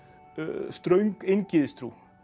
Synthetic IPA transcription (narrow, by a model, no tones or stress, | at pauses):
st̪ɾœɥŋkɪnkiðst̪ɾu